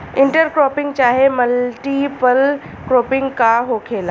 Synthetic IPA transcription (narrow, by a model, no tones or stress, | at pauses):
ɪɳʈəɾkɾoːpɪ̃ŋɡt͡ɕaːɦeməlʈipəl | kɾoːpɪ̃ŋɡkaɦokʰeːla